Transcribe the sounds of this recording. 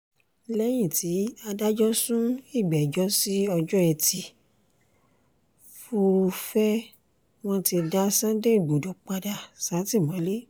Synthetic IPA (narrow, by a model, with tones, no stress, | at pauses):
lɛ˦j̃ĩ˦˨ti˨˦a˧da˦d͡ʒɔ˦sũ˦i˦˨ɡ͡bɛ˨d͡ʒɔ˦si˦ɔ˧d͡ʒɔ˦ɛ˧ti˧ | fu˧fɛ˦ | w̃ɔ̃˦˧ti˧da˦sã˦de˦˨ɡ͡bo˨do˨˦k͡pa˧da˧sã˨˦ti˦˨mɔ̃˨˦le˦